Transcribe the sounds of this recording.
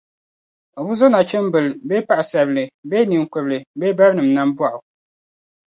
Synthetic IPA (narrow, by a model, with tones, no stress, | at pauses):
o˨bu˦zo˦na˨t͡ʃɛ˦m˦bɨ˨lbe˦pa˦ʔa˨sɛ˨blɨ˨be˦ni˨ŋ˨kɨ˨blɨ˨beː˦ba˦ɾnɨ˨m˨na˦m˦bwa˦ʔʊ˨